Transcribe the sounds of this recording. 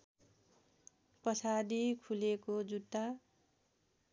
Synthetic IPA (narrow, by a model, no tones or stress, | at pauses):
pʌsad̪ikʰulekod͡zut̪ːa